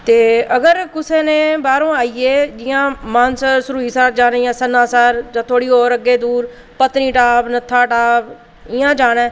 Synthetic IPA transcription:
t̪eːəɡəɾkʊsẽːnẽːbaːɾõːaːiːeːd͡ʒɪjãːmaːnsəɾsɾuːiːsaːɾd͡ʒaːɽeːãːsənãːsaːɾd͡ʒãːt̪ʰoːɽiːoːɾəɡːeːd̪uːɾ | pət̪niːʈaːbnət̪ʰːaːʈaːb | ɪjãːd͡ʒaːɽ̃ɛ̃ː

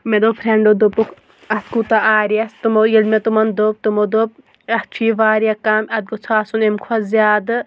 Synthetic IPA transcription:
med̪opʰɾeɳɖod̪opukʰ | ɐt̪kut̪aaːɾiɐst̪ɨmojilmet̪umɐnd̪op̚t̪ɨmod̪ob̚ | ɐht͡ʃʰiːʋaːɾjɐkaːmʲɐd̪̚ɡot͡sʰaːsunemkʰwɐzʲaːd̪ɨ

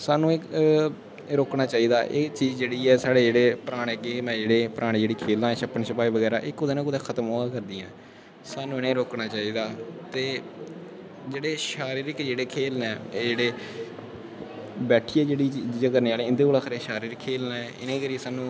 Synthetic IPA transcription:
saːnũːeː | ɾoːknaːt͡ʃaːiːd̪aːʔḛːt͡ʃiːzd͡ʒeːɽiːɛːsaːɽeːd͡ʒeːɽeːpəɾaːɽeːɡeːmɛ̃ːd͡ʒeːɽeːpəɾʔaːɽ̃eːd͡ʒeːɽiːkʰeːld̪ãːʃəpənʃʰəpaːiːʋəɡɛːɾa̰ːʔɪkːʊd̪eːnãːkʊd̪ẽːkʰət̪əmɦoːaːkəɾd̪iːãː | saːnũːɪnẽːɾoːknaːt͡ʃaːiːd̪aːt̪eː | d͡ʒeːɽeːʃaːɾiɾɪkd͡ʒeːɽeːkʰeːlnɛːd͡ʒeːɽeː | bɛːʈʰiːɛːd͡ʒeːɽiːt͡ʃːd͡ʒakəɾneːaːleːɪnd̪eːkoːlaːkʰɾeːʃaːɾiːɾkʰːeːlnɛːɪnẽːkəɾiːsaːnũː

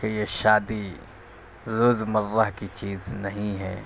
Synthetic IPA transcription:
kejeʃaːd̪i | ɾoːzmɐɾːaɦkit͡ʃiːznɐɦĩɦɛ̰ː

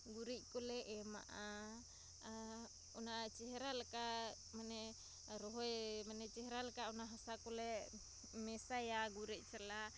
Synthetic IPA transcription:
ɡuɾiʔkulɛʔːma̰ʔa | unat͡ʃɛɦeɾalaka | manɛ | ɾɔɦɔjmanɛt͡ʃɛɦɾalakaunaɦasakulɛ | mɛsajaɡuɾiʔt͡ʃala

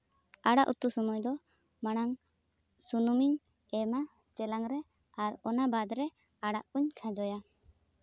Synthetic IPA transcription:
aɽaʔṵt̪usɔmɔjd̪ɔ | maɽ̃aŋ | sunumiɲ | ɛma | t͡ʃɛlaŋɾɛ | aɾɔnabad̪ɾɛ | aɽaʔuɲkʰãd͡ʒɔja

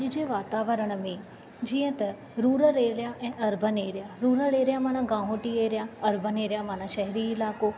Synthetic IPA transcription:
d͡ʒɪd͡ʒeːʋaːt̪aːʋəɾəɽ̃mẽː | d͡ʒiːə̃t̪ɐ | ɾuːɾəɾeːlɪjaːʔɛ̃ːʔɐɾbʱəneːɾɪjaːɾuːɾəɾeːɾɪjaːmaːnãːɡãːɦõːʈieːɾɪjaːɐɾbʱəneːɾjaːmaːñãːʃɛɦɾiɪlaːkoː

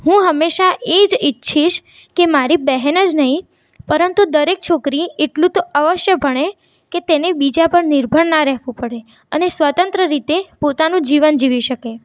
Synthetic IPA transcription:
ɦũɦəmːeʃaʔed͡ʒitːʃʰiʃ | kemaɾibɛɦɛnəd͡ʒnəɦĩ | pəɾənt̪ud̪əɾek̚t͡ʃʰokɾieʈlũt̪oʔəʋəʃjəbʱəɽ̃e | ket̪enebid͡ʒapəɳniɾbʱəɽnaɾɛɦʋũpəɽe | ənesʋət̪ənt̪ɾəɾit̪epot̪anũd͡ʒiʋənd͡ʒiʋiʃəke

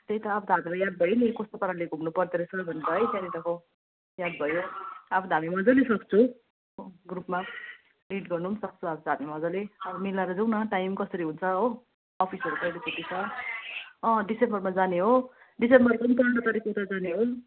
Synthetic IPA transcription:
t̪ejt̪ʌapʰt̪ɦamilajad̪̚bʱʌjnikʌst̪opʌɾaleɡʱumnupʌrt̪eɾʌsʰʌbʱʌnet̪ʌɦʌjtanit̪ʌkʰo | jad̪̚bʱʌjoapʰt̪amimʌd͡zʌlesʌk̚t͡sʰu | oɡrupma | riʈɡʌrnuunsʌk̚t͡sʰuapʰt̪ɦamimʌd͡zʌleʌbʌmilaɾʌd͡zuwnʌʈajmkʌsʌɾiɦunt͡sʰʌɦoː | pʰisʌɾupʌjlikuʈit͡sʰʌ | ʌ̃ɖisembʌrmad͡zaneɦo | ɖisembʌrkʌnt̪ʌɳʈʌt̪aɾikot̪ad͡zaneɦo

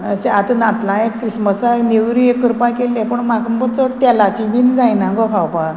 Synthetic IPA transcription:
əseat̪nat̪lãjekkːɾisməsanewɾiekːəɾupakelːẽpəɳmakəmbət͡səɽt̪ɛlat͡ɕibind͡zajnaɡoɦawpa

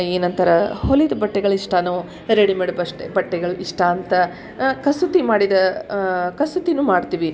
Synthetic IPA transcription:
iːnɐnt̪ɐɾɐholid̪ɐbɐʈːɛɡɐɭuiʂʈaːno | ɾeɽimeɽɐbɐʂʈebɐʈːɛɡɐɭuʔiʂʈaːnt̪ɐ | kɐsut̪imaːɽid̪ɐ | kɐsut̪inuːmaːɽt̪iʋi

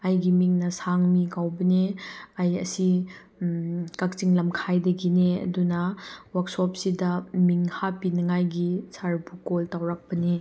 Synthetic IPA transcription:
ajɡimiŋnɐsaŋmiɡawbɐneajɐ̰si | kak̚t͡ʃiŋlɐmkʰajdɐɡineɐ̰dunɐwak̚sɔp̚sidɐmiŋhapinɐŋajɡisaɾbukoltawɾak̚pɐne

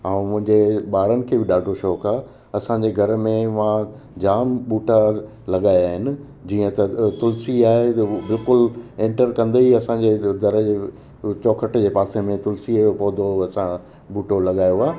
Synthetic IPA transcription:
aũmʊ̃ɦɪ̃ɲd͡ʑeɓaːɾənɪ̆kʰeːbɪɗaːɖʱoʃɔːkaː | ɐsãɲ̆d͡ʑeɡʱɐɾmẽʋã | d͡ʑaːmɓuːʈa | lɐɠaːjaːɦɪnɪ̆ | d͡ʑiːə̃t̪ɐt̪ʊlsiaːɦebɪlkʊlẽːɳʈəɾkɐ̃nd̪eiɐsãːɲd͡ʑeːd̪ʱɐɾəd͡ʑeː | t͡ɕɔːkʰəʈd͡ʑeːpaːsemẽt̪ʊlsipoːd̪oɐsã | ɓuːʈolɐɠaːjoaː

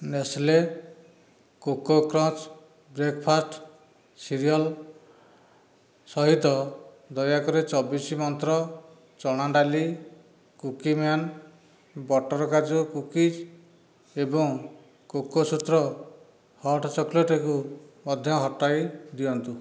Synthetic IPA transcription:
nesle | kokokɾɔ̃t͡ʃ | bɾekpʰasʈ | siɾijɔl | sɔɦid̪ʱɔ | d̪ɔjakɔɾet͡ʃɔbisimɔnt̪ɾɔ | t͡ʃɔɽ̃aɖali | kukimjan | bɔʈɔɾɔkad͡ʒukukid͡ʒ | ebɔŋ | kokosut̪ɾɔ | hɔʈɔt͡ʃɔkleʈekumɔd̪ʱjɔɦɔʈːajd̪iɔnt̪u

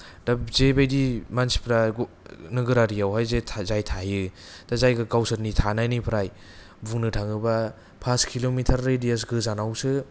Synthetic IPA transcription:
d̥azebajdimansi̥pʰɾaɡ | nɯɡɯɾaɾijawɦajzezajtʰajɯ | tazajɡɯɡawsɯɾnitʰanajnɯpʰɾaj | buŋnɯtʰaŋɯba | pʰaskʰilomitʰaɾːejdijas̬ɡɯzanawsɯ

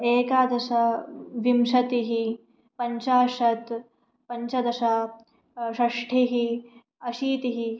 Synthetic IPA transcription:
eːkaːd̪ɐʃɐʋimʃɐt̪iɦi | pɐɲt͡ʃaːʂɐt̪ | pɐɲt͡ʃɐd̪ɐʃɐ | ʃɐʂʈʰiɦi | ɐʃiːt̪iɦi

